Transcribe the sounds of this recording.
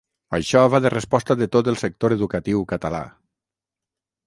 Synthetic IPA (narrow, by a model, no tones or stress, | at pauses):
ə̰ʃɔβaðərespɔst̪əðət̪ot̪əlˠsək̚t̪oɾeðukət̪iwkət̪əla̰